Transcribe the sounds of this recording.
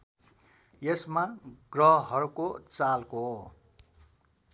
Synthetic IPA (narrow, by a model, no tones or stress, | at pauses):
jesmaɡrʌɦʌɦʌɾukot͡salko